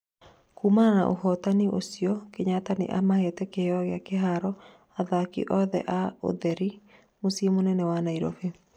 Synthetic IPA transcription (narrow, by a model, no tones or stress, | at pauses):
kumana̰ʔo̰hɔtaniʔo̰sijɔkeɲatanḛʔamahetɛkeɔɣeakeɦaɾɔ | aðakḭʔɔðɛ̰ʔao̰ðɛɾi | mosjemonɛnɛwanaiɾo̰fe